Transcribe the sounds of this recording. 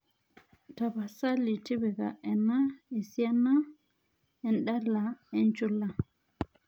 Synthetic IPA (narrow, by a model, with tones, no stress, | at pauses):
taba˨sa˦li˨ti˦bɛ˨ɡa̰ʔɛnaɛ˨sia˦na | ɛnɗa˦lːaɛnt͡ʃu˦la˨